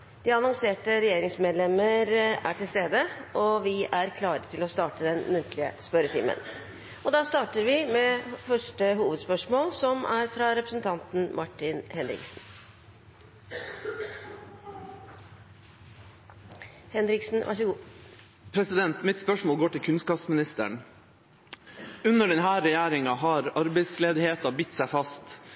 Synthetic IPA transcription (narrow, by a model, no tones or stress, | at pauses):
d̪̥iːɑnɔŋseːʈəɾɛjeːɾɪŋsmeːd̪lɛməɾæ̰ʈʰɪlst̪eːd̪əʔɔʋɪʔæɾkʰlɑːɾət̪ʰɪlɔst̪ɑːʈəd̪ɛnmʉnt̪ʰlɪə̰spœɾət̪ʰɪ̰mə̰n | ʔɔd̪ɑːst̪ɑːʈəɾʋɪmeːfœʂʈəɦuːʋəd̪spœʂmoːlsɔmʔæɾfɾɑɾɛpɾəsnt̪ʰɑnt̪n̩mʔɑʈːɪnhɛnɾɪ̰ksn̩ | hɛnɾɪksn̩ʋʔɑ̰ʂəɡuː | pʰɾɛsɪd̪ɛnt̪mɪt̪spœʂmoːlɡoːʈɪlkʰʉnskɑːpsmɪnɪst̪ə̰ɳ | ʉnːəɖɛnɦæːɾɛjæːɾɪŋɑɦɑɾɑɾbɛɪsleːd̪ɪheːt̪ɑbɪt̪ːsæɪfɑst̪